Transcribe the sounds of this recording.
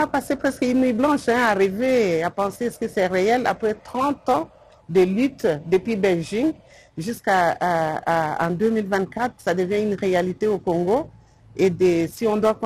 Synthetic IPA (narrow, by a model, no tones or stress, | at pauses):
apasepχɛskynnwɥiblɑ̃ʃɛ̃aʁiveapɑ̃seskəsɛʁeɛla̰pχɛt̪χɑ̃t̪ɑ̃ | d̪əlyt̪d̪əpɥibɛlʒiŋ | ʒyska | ɑ̰̃d̪ømilvɛ̃t̪̚kat̪χəsad̪əvjɛ̃ynʁealit̪eokɔ̃ŋɡo | ed̪əsiɔ̃d̪wakɔ̃